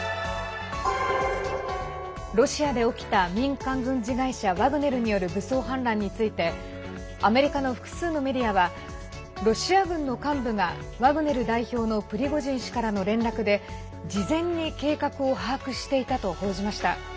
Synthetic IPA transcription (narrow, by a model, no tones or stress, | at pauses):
ɾo̞ɕiad̪e̞o̞kʲi̥t̪amʲĩŋkãŋɡɯ̟̃ɲd͡ʑiɡaiɕaβaɡɯ̟ne̞ɾɯ̟ɲ̟ijo̞ɾɯ̟bɯ̟so̞ːɦãnɾãɲ̟ːit͡sɨit̪e̞ | ame̞ɾʲikano̞ɸɯ̥kɯ̟̥sɨːno̞me̞dʲiaβa | ɾo̞ɕiaɡɯ̟̃nːo̞kãmbɯ̟ɡa | βaɡɯ̟ne̞ɾɯ̟d̪aiço̞ːno̞pɯ̟ɾʲiɡo̞ʑĩɰ̃ɕi̥kaɾano̞ɾẽ̞nɾakɯ̟d̪e̞ | d͡ʑizẽ̞ɲ̟ːike̞ːkakɯ̟o̞ɦaːkɯ̟ɕi̥t̪e̞it̪at̪o̞ho̞ːʑimaɕi̥t̪a̰